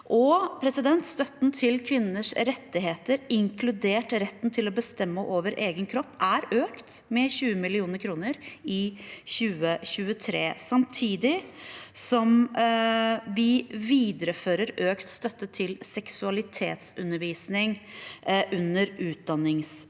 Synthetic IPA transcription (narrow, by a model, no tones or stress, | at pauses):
ʔɔpʰɾɛsɪd̪ɛnt̪st̪œt̪n̩t̪ʰɪlkʰʋɪnːəʂɾɛt̪ːɪɦeːt̪əɾɪŋkʰlʉd̪eːʈɾɛt̪ːn̩t̪ʰɪlɔbəst̪ɛmːəʔoːʋəɾʔeːɡənkʰɾɔpːæɾøːkt̪mɛɕʉːəmɪlɪuːnəɾkʰɾuːnəɾɪɕʉːəɕʉːət̪ʰɾeːsɑmt̪ʰiːd̪ɪsɔm | ʋɪʋiːd̪əɾəføːɾəɾøːkt̪st̪œt̪ːət̪ʰɪlsɛksʉɑlɪt̪ʰḛːt̪sʉnːəɾʋiːsnɪŋ | ʔʉnːəɾʉːt̪̚d̪ɑnːɪŋs